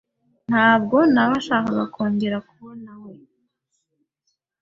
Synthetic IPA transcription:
n̥haːb̚ɡo̞naβaʃaːkaβakʰoːŋɡeɾakuβonawe

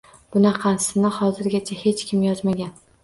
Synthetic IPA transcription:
b̥ʊnaqʰɑnsɪnɪhɒzɪɾɡʲat͡ʃʰahe̞t͡ʃkʲʰɪmjɒzmaɡʲan

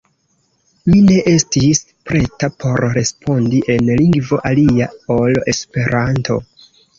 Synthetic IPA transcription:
mine̞ʔe̞stis | pɾe̞tapʰo̞ɾɾe̞spʰo̞ndiʔe̞nliŋɡvo̞ʔaliaole̞spe̞ɾanto̞̰

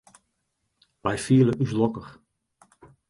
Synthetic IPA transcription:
ʋɛjfiələʔyslɔkəx

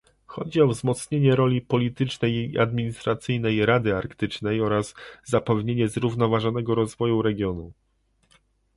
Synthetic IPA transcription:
xɔd͡ʑiɔvzmɔt̪sɲeɲɛɾɔlʲipɔlʲit̪ɘt͡ʂnɛjia̰d̪mʲiɲist̪ɾat̪sɘjnɛjɾad̪ɘaɾkt̪ɘt͡ʂnɛjɔɾazːapɛvɲeɲɛzɾuvnɔvaʐɔnɛɡɔɾɔzvɔjuɾɛɡʲjɔnu

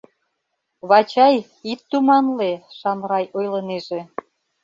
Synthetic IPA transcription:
βɑt͡ɕɑj | it̪ːumɑnleʃɑmɾɑjojləneʒe

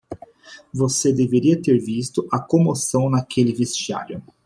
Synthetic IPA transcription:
vosed̪eveɾiɐt̪eɾvist̪ʊʔɐkõmosɐ̃w̃nɐkʰelɪvest͡ʃia̰ɾjʊ

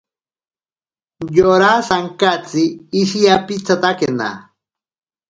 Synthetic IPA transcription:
joɾasaŋkat͡siːʃijapit͡sat̪akena̰

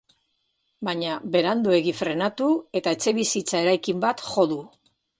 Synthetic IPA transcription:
baɲabe̞ɾand̪ue̞ɣifɾe̞nat̪ue̞t̪ae̞t͡se̞βisit͡sae̞ɾajkimbat̪xo̞ðu

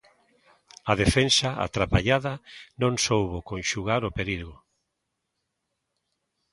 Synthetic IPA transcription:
ɐðefensaa̰t̪ɾapaʎaðɐnõŋsowβokõnʃuɣaɾopeɾiɣʊ

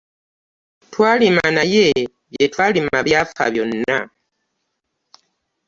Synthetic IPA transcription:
twalimanaje | βjetwalimaβjafa̰βjonːa

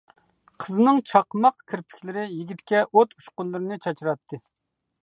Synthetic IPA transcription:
qʰəzɨnɨŋt͡ʃʰɑqmɑqkʲʰiɾpʰɪ̥kʲlɪɾɪjiɡʲit̪kʲɛʔot̪ʰuʃqʊlˠːɨɾɨnɨt͡ʃʰɑt͡ʃʰiɾɑt̪ʰːɨ

